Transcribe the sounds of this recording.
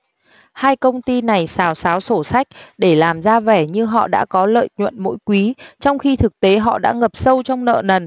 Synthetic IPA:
haː˧jkə˧wŋ͡mt̪i˧na˨˩jsaː˨˦wsaː˨˦wso˧˩sa˦˥jk̟̚ɗe˧˩laː˨˩mzaː˧vɛ˧˩ɲɨ˧ɦɔ̰˧˨ɗa̰ː˧˥kɔ˨˦lə̰ː˧˨jɲwə̰˧˨nmo̰˧˥jkwi˨˦t͡ɕɔ˧wŋ͡mxi˧t̪ʰɨ˨˩k̚t̪e˨˦ɦɔ̰˧˨ɗa̰ː˧˥ŋə˨˩p̚sə˧wt͡ɕɔ˧wŋ͡mnə̰ː˧˨nə˨˩n

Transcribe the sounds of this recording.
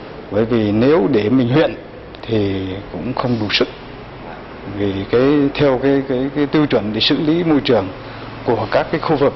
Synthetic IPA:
ɓəː˧˩jvi˨˩ne˨˦wɗe˧˩mï˨˩ŋ̟hwḭ˧˨ən | t̪ʰi˨˩kʊ̰˧˥ŋ͡mxə˧wŋ͡mɗu˨˧˩sɨ˦˥k̚ | vi˨˩kaː˨˦jt̪ʰɛ˧wkaː˨˦jkaː˨˦jkaː˨˦jt̪ɨ˧wt͡ɕwə˧˩nɗe˧˩sɨ̰˧˨li˨˦mo˧jt͡ɕɨ˨˩əŋ | ku˧˩əkaː˦˥kːaː˨˦jxu˧vɨ˨˩k̚

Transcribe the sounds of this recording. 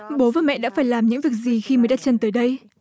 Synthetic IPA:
ɓo˨˦vaː˨˩wmɛ̰˧˨ʔɗa̰ː˧˥faː˧˩jlaː˨˩mɲɨ̰˧˥ŋvi˨˩ək̚zi˨˩xi˧mə˨˦jɗa˨˧˩t̚t͡ɕə˧nt̪əː˨˦jɗə˧j

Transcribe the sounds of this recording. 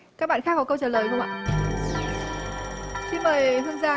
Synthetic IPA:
kaː˦˥k̚ɓa̰ː˧˨xaː˦˥k̚kɔ˨˦kə˧wt͡ɕəː˨˩ləː˨˩jɗʊ˧ŋ͡mʔa̰ː˧˨ | si˧nməː˨˩jɦɨ˧ənzaː˧

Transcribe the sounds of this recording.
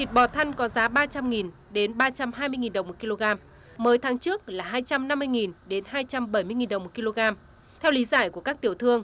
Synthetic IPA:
t̪ʰi˨˩t̚ɓɔ˨˩t̪ʰə˧jŋ̟kɔ˨˦zaː˨˦ɓaː˧t͡ɕa˧mŋi˨˩n | ɗe˨˦nɓaː˧t͡ɕa˧mhaː˧jmɨ˧əjŋi˨˩nɗə˨˩wŋ͡mo˨˩t̚ki˧lo˧ɣaː˧m | məː˨˦jt̪ʰaː˨˦ŋt͡ɕɨ˦˥ək̚laː˨˩ɦaː˧jt͡ɕa˧mna˧mːɨ˧əjŋi˨˩nɗe˨˦nɦaː˧jt͡ɕa˧mɓə˧˩jmɨ˧əjŋi˨˩nɗə˨˩wŋ͡mo˨˩t̚ki˧lo˧ɣaː˧m | t̪ʰɛ˧wli˨˦zaː˧˩jku˧˩əkaː˦˥k̚t̪i˧˩əwt̪ʰɨ˧əŋ

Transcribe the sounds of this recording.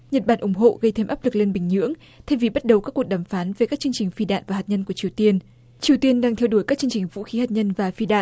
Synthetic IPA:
ɲə˨˩t̚ɓaː˧˩nʔʊ˧˩ŋ͡mɦo̰˧˨ɣə˧jt̪ʰe˧mʔaː˦˥p̚lɨ˨˩k̚le˧nɓï˨˩ŋ̟ɲɨ̰˧˥əŋ | t̪ʰɛ˧vi˨˩ɓa˦˥t̚ɗə˨˩wkaː˦˥kːu˨˩əɗaː˨˩mfaː˨˦nve˨˩kaː˦˥k̚t͡ɕɨ˧əŋt͡ɕï˨˩ŋ̟fi˧ɗa̰ː˧˨nvaː˨˩haː˨˩t̚ɲə˧nku˧˩ət͡ɕi˨˩əwt̪i˧ən | t͡ɕi˨˩əwt̪i˧ənɗaː˧ŋt̪ʰɛ˧wɗu˧˩əjkaː˦˥k̚t͡ɕɨ˧əŋt͡ɕï˨˩ŋ̟vṵ˧˥xi˨˦ha˨˩t̚ɲə˧nvaː˨˩fi˧ɗa̰ː˧˨

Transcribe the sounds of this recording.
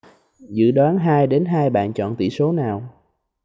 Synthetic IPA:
zɨ̰˧˥ɗwaː˨˦nɦaː˧jɗe˨˦nɦaː˧jɓa̰ː˧˨nt͡ɕɔ̰˧˨nt̪ḭ˧˨so˨˦naː˨˩w

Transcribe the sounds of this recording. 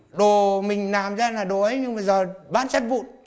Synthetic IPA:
ɗo˨˩mï˨˩ŋ̟laː˨˩mzaː˧laː˨˩ɗo˨˩˦jɲɨ˧ŋɓə˧˩jzəː˨˩ɓa̰ː˧˥nt͡ɕə˦˥t̚vṵ˧˨n

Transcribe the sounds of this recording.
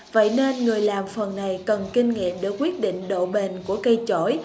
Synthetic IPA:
və̰˧˨jne˧nŋɨ˨˩əjlaː˨˩mfə˨˩nːa˨˩jkə˨˩nki˧ŋŋḭ˧˨əmɗe˨˧˩kwi˦˥ət̚ɗḭ̈˧˨ŋ̟ɗo̰˧˨ɓe˨˩nku˧˩əkə˧jt͡ɕo̰˧˩j

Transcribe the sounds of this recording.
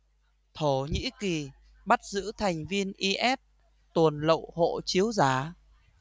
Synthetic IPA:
t̪ʰo˧˩ɲḭ˧˥ki˨˩ | ɓa˦˥t̚zɨ̰˧˥t̪ʰa˨˩jŋ̟vi˧ənʔi˧ʔɛ˦˥t̚ | t̪ə˨˩nlə̰˧˨who̰˧˨t͡ɕi˨˦əwzaː˨˧˩

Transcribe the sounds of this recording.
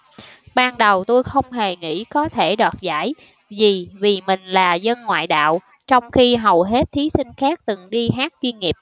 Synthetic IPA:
ɓaː˧nɗə˨˩wt̪o˧jxə˧wŋ͡mɦe˨˩ŋḭ˧˥kɔ˨˦t̪ʰe˧˩ɗwaː˨˩t̚za̰ː˧˥j | zi˨˩vi˨˩mï˨˩ŋ̟laː˨˩zə˧nŋwa̰ː˧˨jɗa̰ː˧˨w | t͡ɕɔ˧wŋ͡mxi˧ɦə˨˩wɦe˦˥t̚t̪ʰi˨˦si˧ŋ̟xaː˦˥k̚t̪ɨ˨˩ŋɗi˧ɦaː˦˥k̚t͡ɕwi˧nŋi˨˩əp̚

